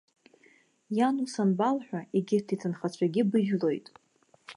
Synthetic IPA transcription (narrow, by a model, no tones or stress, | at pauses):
janusanbalħʷᶣaeɡʲɪrtʰitʰɨnχat͡ɕʷʰaɡʲɪbɨʒᶣlo̞jtʼ